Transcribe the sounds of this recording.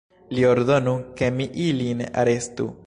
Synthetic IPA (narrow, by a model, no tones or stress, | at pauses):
lio̞ɾd̪o̞nuke̞miʔilina̰ɾe̞stṵ